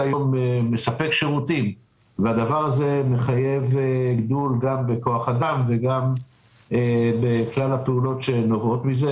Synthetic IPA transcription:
ajomeːesape̞kʃe̞ʁut̪im | vead̪avaʁaze̞me̞χaje̞veɡd̪ulɡambe̞ko̞aχad̪amve̞ɡam | ebeklalapeulo̞tʃenovo̞t̪mize

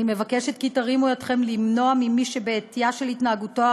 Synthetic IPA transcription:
ime̞vakeʃetkitaʁimujot̪χe̞mlimno̞amimiʃebeːtijaʃelhitnaaɡutoa

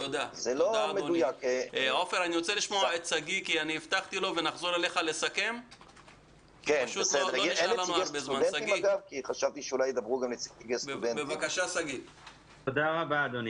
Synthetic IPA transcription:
t̪o̞d̪azelodadmeonujako̞feʁaniʁo̞t͡se̞liʃmoaet̪saɡikianiːft̪aχt̪ilo̞ve̞naχzo̞ɾale̞χalesake̞m | kenaʃusdoloiʃalamaɾbezmansaiɡmaɡavkiχaʃavt̪iʃeulajed̪abʁuɡamlet͡sitiɡesbdenbevakaʃasaɡi | t̪od̪aʁabad̪oni

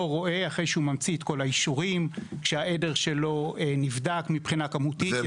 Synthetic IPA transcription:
oʁo̞ʔe̞aχe̞jʃeumamt͡siet̪ko̞laiʃuʁimkʃeae̞de̞ʁʃe̞lo̞enivdakmipχinakamut̪i

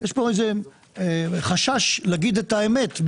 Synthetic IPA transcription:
jeʃpo̞eze | χaʃaʃleaɡid̪et̪aemet̪

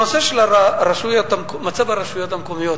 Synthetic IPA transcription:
oseʃlaɾaɾaʃujot̪amkmat͡sabaɾaʃujot̪hamkomijot̪

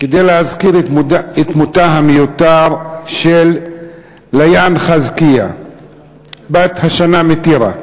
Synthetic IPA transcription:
ked̪ejleazkiɾet̪mut̪aɦamejut̪aʁʃelː | ajanχazkia̰ | bat̪haʃanamet̪iɾa̰

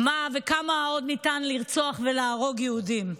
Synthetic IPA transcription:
mavekamaao̞d̪nitanliʁt͡soaχveleːʁo̞ɡjɛudim

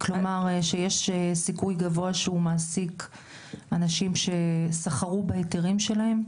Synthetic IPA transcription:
klo̞maʁʃejeʃsikujɡavo̞aʃeumaːsik | anaʃimʃe̞saχaʁubaeteʁimʃe̞lahe̞m

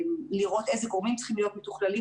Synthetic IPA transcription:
liʁo̞t̪e̞zeɡoʁmimtt͡si̥χimlijo̞t̪̚met̪u̥χlali

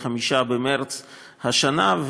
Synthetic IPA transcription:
χamiʃabemeɾt͡s | haʃanav

